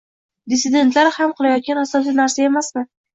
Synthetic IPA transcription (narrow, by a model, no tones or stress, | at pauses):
d̪ɪsɪd̪e̞nt̪ʰlaɾhamqʰɨlˠajɒt̪̚ɡʲanasɒlsijnaɾsae̞masmɪ